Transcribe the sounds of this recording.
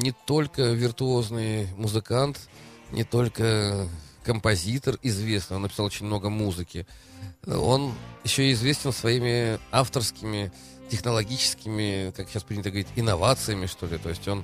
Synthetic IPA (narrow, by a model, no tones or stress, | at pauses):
nʲɪt̪o̞lʲkəvʲɪrt̪ʊo̞znɨjmʊzɨkant̪nʲʔɪ̰t̪o̞lʲkə | kəmpɐzʲit̪ərɪzvʲe̞snɨjonːəpʲɪ̥salˠot͡ɕɪnʲmno̞ɡəmuzɨkʲɪ̰ | o̞̰njɪɕːoɪzvʲesʲtʲɪnsvɐimʲɪaft̪ərskʲɪmʲɪ | tʲɪxnəlˠɐɡʲit͡ɕɪ̥skʲɪmʲɪkakɕːaspɾʲinʲt̪əɡəvɐɾʲitʲɪnːɐvat̪sɨjəmʲɪʂt̪o̞lʲɪt̪o̞ɪsʲtʲo̞n